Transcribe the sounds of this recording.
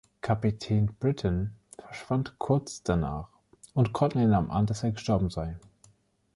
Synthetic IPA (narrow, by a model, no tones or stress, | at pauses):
kʰapitʰɛːnb̥ʁɪtʰn̩ | fɛɐʃv̥antkʰʊɐt͡sd̥ana̰ːχ | ʊntkʰɔtnenaːməmʔa̰ndaseːɐɡəʃtɔɐbm̩zaɪ